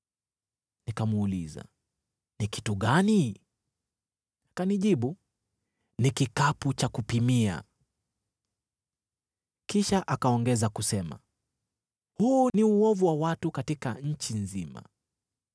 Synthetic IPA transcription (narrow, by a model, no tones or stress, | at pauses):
nikamuːliza̰ | niki̥tuɠani | kaniʄiɓu | nikikaput͡ʃakupimia̰ | kiʃaʔakaɔŋɡɛzakusɛma̰ | huːniuɔvuwawatukatikaɲ̩t͡ʃinzima̰